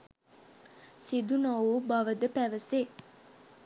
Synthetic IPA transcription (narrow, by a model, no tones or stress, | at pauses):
sid̪unowubɐʋəd̪əpæʋəse